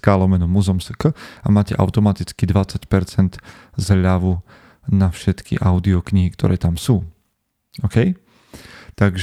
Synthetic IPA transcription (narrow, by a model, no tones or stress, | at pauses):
kaːlɔmɛnumuzɔmsə̥kəa̰maːcɛ̰ʔa̰ʊt̪ɔmat̪it͡skid̪ʋat͡sacpɛɾt͡sɛnd̪ | zʎaʋu | nafʃɛt̪kḭʔaʊd̪iɔkɲiɦikt̪ʰɔ̰ɾɛːt̪amsuː | ɔkɛj | t̪aɡʒ